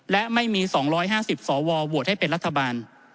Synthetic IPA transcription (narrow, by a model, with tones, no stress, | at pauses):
lɛ˦˥ʔma˥˩jmiː˧sɔː˩˦ŋɾɔː˦˥jɦaː˥˩si˨˩p̚sɔː˩˦wɔː˧bu˨˩ət̪̚ha˥˩jpe˧nɾa˦˥t̪ʰːa˧baː˧n